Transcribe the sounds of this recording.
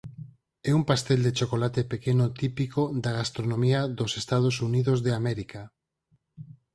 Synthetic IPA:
ɛumpast̪ɛld̪et͡ʃokolat̪epekenot̪ipikod̪aɣast̪ɾonõmiaðosest̪að̞osuniðozðeamɛɾika

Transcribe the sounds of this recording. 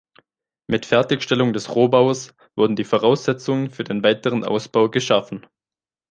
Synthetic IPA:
mɪtfɛɐtɪçʃtɛlʊŋdɛsʁoːbaʊɐs | v̥ʊɐdn̩diːfoʁaʊsz̥ɛt͡sʊŋənfyːɐdeːnvaɪtəʁ̞ənʔa̰ʊsb̥aʊɡəʃafn̩

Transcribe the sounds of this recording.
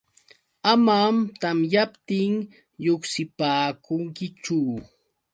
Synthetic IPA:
amamt̪amjapt̪ɪŋ | joksɪpaːkʊŋkɪt͡ʃu

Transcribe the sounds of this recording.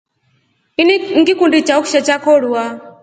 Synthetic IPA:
inŋ̩ɡikundit͡ʃauku̥ʃat͡ʃakɔɺuwa

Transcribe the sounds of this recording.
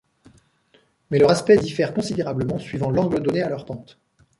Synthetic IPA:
mɛləʁaspɛd̪ifɛʁkɔ̃sid̪eʁabləmɑ̃sɥivɑ̃lɑ̃ɡləd̪ɔnealœʁpɑ̃t̪

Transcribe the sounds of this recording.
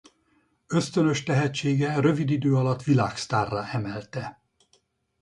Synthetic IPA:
ø̞st̪ønø̞ʃt̪ɛɦɛt͡ʃːeːɡɛrø̞vid̪id̪øːɒlɒt̪ʋilaːkst̪aːrːaːɛmɛlt̪ɛ

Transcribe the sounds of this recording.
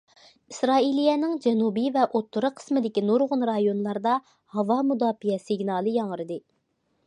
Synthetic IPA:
isɾɑːilijɛnɪŋd͡ʒɛnubivɛʔot̪ʰːʊɾɨqʰə̥smɪd̪ɪkʲinoɾʁʊnɾɑjonlˠɑɾd̪ɑ | hɑvɑmud̪ɑːfijɛsɪɡnɑːlˠɨjɑŋəɾɨd̪ɨ

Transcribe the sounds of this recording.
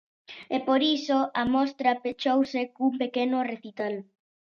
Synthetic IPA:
epoɾisoamɔst̪ɾɐpet͡ʃowsekumpekenʊreθit̪al

